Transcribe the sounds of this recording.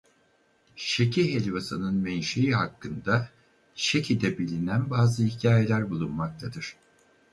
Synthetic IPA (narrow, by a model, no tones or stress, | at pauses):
ʃecʰiɦelʲvasɯnɯnmɛnʃejiɦakːɯnd̪a | ʃecʰid̪ɛbilʲinænbaːzɯhicʰaːjelʲæɾbulˠunmak̚t̪ʰad̪ɯɾ̥